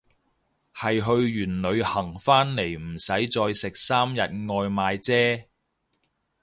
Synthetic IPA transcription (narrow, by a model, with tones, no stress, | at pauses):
hɐ˨jɦɵ˧ɥjyː˨˩nlɵ˨˧ɥhɐ˨˩ŋfaː˥nle˨˩jm̩˨˩sɐ˨˥jt͡sɔː˧jsɪ˨k̚saː˥mjɐ˨t̚ŋɔː˧jmaː˨˧jt͡sɛː˥